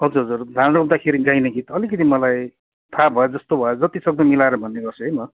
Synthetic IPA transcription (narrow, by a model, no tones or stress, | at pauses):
ɦʌd͡zurɦʌd͡zurd̪ʱanrob̚d̪akʰeɾiɡajneɡit̪ʌlikʌt̪ʰimʌlaj | t̪ʰabʱʌjed͡zʌst̪obʱʌod͡zʌt̪isʌɡd̪ʌmilaeɾʌbʱʌnːeɡʌrt͡sʰuɦʌjmʌ